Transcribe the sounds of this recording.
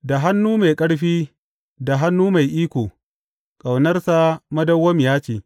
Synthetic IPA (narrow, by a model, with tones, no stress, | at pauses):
da˨ɦa˦nːuː˦ma˨jkʼɐ˦ɽɸiː˦ | da˨ɦa˦nːuː˦ma˨jʔiː˦kʷoː˨ | kʼa˨wnɐ˦rsa˦mɐ˦dɐ˦wːɐ˦mjaː˦t͡ʃeː˨